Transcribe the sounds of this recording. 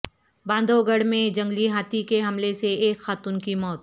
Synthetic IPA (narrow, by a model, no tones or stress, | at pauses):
bãːnd̪ʱoɡəɽmẽd͡ʒɐ̃ŋɡliɦaːt̪ikeɦɐmleseeːkxaːt̪unkimɔːt̪